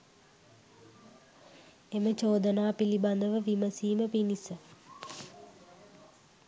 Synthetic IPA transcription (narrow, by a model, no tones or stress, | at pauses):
emət͡ʃoːd̪ənaːpiliband̪əʋəʋiməsiːməpinisə